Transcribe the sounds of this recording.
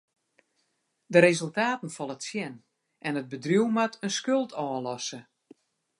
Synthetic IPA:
dəɾezølˠtaːtən̩fɔlˠətsjɛn | ʔɛnət̚bədrjuwmatʰənskølˠtʰɔːlɔsə

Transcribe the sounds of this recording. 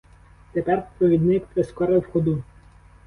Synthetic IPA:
t̪ɛpɛɾpɾɔʋʲid̪nɪkp̪ɾɛskɔɾɛwxɔd̪u

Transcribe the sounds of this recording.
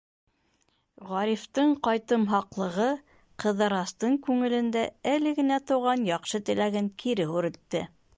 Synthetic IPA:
ʁɑɾift̪ɤɴqɑjt̪ɤmɦɑqlˠɤ̆ʁɤ | qɤ̆ðɑɾɑst̪ɤɴkʉŋɘ̆lɘ̆nd̪æælɘɡɘ̆næt̪ɤ̆wʁɑnjɑqʃɤt̪ɘ̆læɡɘŋkʰiɾɘhʉɾɘ̆t̪ːɘ

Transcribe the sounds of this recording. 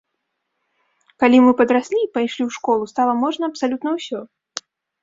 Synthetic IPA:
kalʲimɨpɐd̪ɾasʲlʲipajʂlʲiwʂkɔlˠust̪alˠɐmɔʐnɐɐpsalʲut̪nɐwsʲɔ

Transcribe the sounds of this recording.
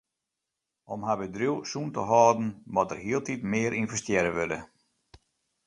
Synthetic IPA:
ʔɔmɦabədruwsuntəɦɔːdn̩mɔtərɦiəlˠtitmɪːəɾʔinvɛstjɛɾəʋødə̰

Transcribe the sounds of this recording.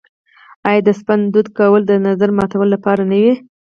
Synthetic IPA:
ɑjd̪əspand̪ud̪kawəld̪ənazaɾmɑt̪awəlːapɑɾanawi

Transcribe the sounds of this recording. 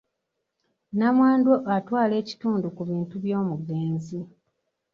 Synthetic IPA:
namwaːndwoʔatwaːle̞ːci̥tuːndukuβiːntuβjo̞ːmuɡeːnzi

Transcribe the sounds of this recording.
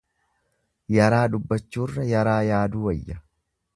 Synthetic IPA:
jɐɾaːᶑ̪ʊbːɐt͡ʃːuːrːɐjɐɾaːjaːd̪uːwɐjːɐ

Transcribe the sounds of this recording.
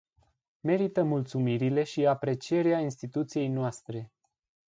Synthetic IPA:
me̞ɾit̪əmult̪sumiɾile̞ʃiapɾe̞t͡ʃie̞ɾeainst̪it̪ut̪sije̞jnoast̪ɾe̞

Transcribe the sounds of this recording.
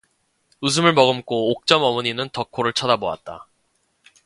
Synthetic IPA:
ɯs̬ʰɯmɯɭmʌɡɯmk͈oːk̚t͡ɕ͈ʌmʌmʌɲinɯntʌkʰoɾɯɭt͡ɕʰʌdaboa̰t̚t͈a

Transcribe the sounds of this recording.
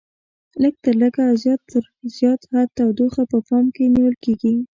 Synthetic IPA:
ləɡ̚t̪əɾləɡazjɑt̪ːəɾ | z̥jɑt̪hat̪ːawd̪oxapəpɑmkeniwəlkeɡi

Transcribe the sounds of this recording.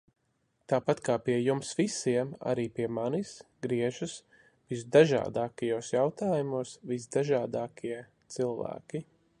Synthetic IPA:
t̪aːpat̪kaːpiɛjumsvisiɛma̰ɾiːpiɛmanisɡɾiɛʒus | vis̬d̪aʒa̰ːd̪aːkajoːsjawt̪aːjumuɔsvisd̪aʒaːd̪aːkʰiɛ | t̪silˠvæ̰ːkʲi

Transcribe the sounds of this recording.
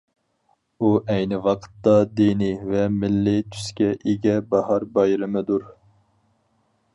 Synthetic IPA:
uʔɛjnɪwɑqʰə̥t̪ːɑd̪inivɛmɪlːɪt̪ʰy̥skʲɛʔiɡʲɛbɑhɑɾbɑjɾɨmɨd̪uɾ

